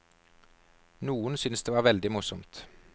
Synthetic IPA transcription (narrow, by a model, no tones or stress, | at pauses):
nuːənsʏnsd̪eːʋɑːʋɛld̪ɪmʊsɔmt̪